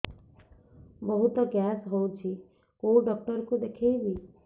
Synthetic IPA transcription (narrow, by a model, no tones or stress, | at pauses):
bəɦut̪ɔɡɛsɦowt͡ʃʰi | koɖɔk̚ʈəɾkud̪ekʰebi